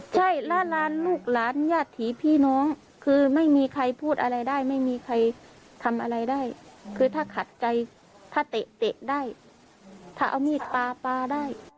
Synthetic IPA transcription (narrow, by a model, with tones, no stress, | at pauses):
t͡ɕʰa˥˩jla˦˧˥laː˨˦˥nluː˥˩k̚laː˨˩˦njaː˧˩t̪ʰːiː˨˦pʰiː˧˥˩nɔː˧˦˥ŋ | kʰɯː˧ma˥˩jmiː˧kʰa˧jpʰuː˥˩t̪̚ʔa˧ɾa˧jdaː˥˩jma˥˩jmiː˧kʰa˧j | t̪ʰa˧mʔa˧ɾa˧jdaː˥˩jkʰɯː˧t̪ʰaː˥˩kʰa˨˩˦t̪̚t͡ɕa˧j | t̪ʰaː˥˩t̪e˨˩ʔt̪e˨˩ʔdaː˥˩j | t̪ʰaː˧˥˩ʔa˧wmiː˧˥˩t̪aː˧paː˧daː˥˩j